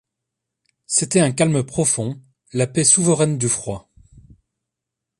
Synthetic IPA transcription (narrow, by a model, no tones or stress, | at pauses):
set̪ɛɛ̃kalmpχɔfɔ̃ | lapesuvəʁɛnd̪yfχwa